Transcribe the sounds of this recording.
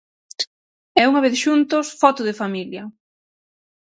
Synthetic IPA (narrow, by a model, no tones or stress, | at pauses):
ɛuŋaβ̞eθʃunt̪osfɔt̪ʊðɪfamiljɐ